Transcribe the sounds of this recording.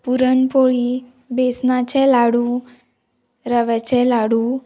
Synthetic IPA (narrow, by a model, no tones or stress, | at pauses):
puɾənpoɭi | besnat͡ɕɛlaɽũ | ɾəʋɛt͡ɕɛlaɽu